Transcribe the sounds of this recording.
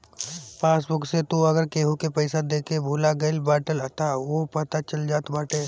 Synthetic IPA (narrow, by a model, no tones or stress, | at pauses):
paːsbʊkset̪uɐɡəɾkeːɦũkepəɪsad̪eːkebʱuːlaɡɐɪlbaːʈələt̪aʋopɐt̪at͡ʃɐld͡ʒaːt̪baːʈeː